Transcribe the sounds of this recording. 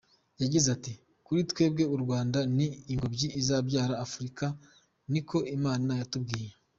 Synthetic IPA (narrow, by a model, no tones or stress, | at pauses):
jaɟizati | kuɾitwe̞ːb̚ɡe̞uɾɡwaːndaniːŋɡo̞bɟiːzaːbɟaːɾaːfuɾika | nikʰo̞imaːninajatub̚ɡiːje